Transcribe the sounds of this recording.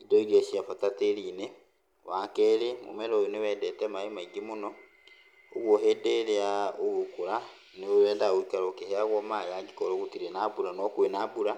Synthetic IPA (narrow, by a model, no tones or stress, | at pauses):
idɔiɾiɔsjafatateɾine | wakɛɾemo̰mɛɾɔjonewɛdɛtɛmaemaiɡemonɔ | oɣwɔɦɛdeɾeaoɣokoɾa | neoɾɛːndaɣoikaɾokeheaɣɔmajaɡikɔɾoɣotiɾenabuɾanɔkwenabuɾa